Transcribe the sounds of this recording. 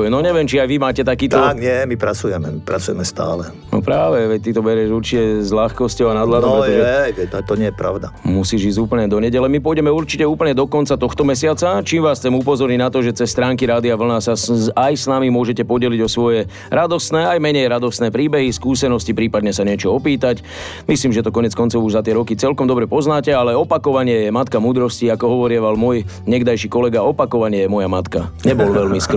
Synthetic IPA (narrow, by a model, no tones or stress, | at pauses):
ɛnɔɲɛvʋɪɛmt͡ʃiajʋimaːcɛt̪akiːt̪ɔkɲɪɛmipɾat͡sujɛmɛmipɾat͡sujɛmɛst̪a̰ːlɛ | nɔ̰pɾaːʋɛʋɛc̚t̪it̪ɔbɛɾɪɛʒuɾt͡ʃicɛzʎaxkɔscɔʊanad̪lad̪ɔpɛɔʒɛɛɛt̪at̪ɔɲɪɛjɛpɾa̰ʊd̪amusiːʒiːzɟuːpəɲɛd̪ɔɲɛɟɛlɛmipɔjɟɛmɛuɾt͡ʃicɛuːpl̩ɲɛd̪ɔkɔnt͡sat̪ɔxt̪ɔmɛs̬ɪat͡sat͡ʃiːmʋaːst͡sɛmupɔzɔɾninat̪ɔʒɛt͡sɛsːt̪ɾaːŋkiɾaːd̪iaʋl̩nasaajsnamimʊɔʒɛcɛpɔɟɛliɟɔsʋɔjɛ | ɾad̪ɔst̪nɛːajmɛɲɛjɾad̪ɔst̪nɛːpɾiːbɛɦiskuːsɛnɔscipɾiːpad̪ɲɛsaɲɪɛt͡ʃɔɔpiːt̪ac | misliːmʒɛt̪ɔkɔɲɛt͡skɔnt͡sɔʊuʒzat̪ɪɛɾɔkit͡sɛlkɔmd̪ɔbɾɛpɔznaːcɛalɛɔpakɔʋaɲɪɛjɛmat̪kamuːd̪ɾɔsciakɔɦɔʋɔɾɪɛʋalmʊɔj | ɲɛɡd̪ajʃikɔlɛɡaɔpakɔʋaɲɪɛjɛmɔjamat̪ka̰ɲɛbɔlʋɛlmisk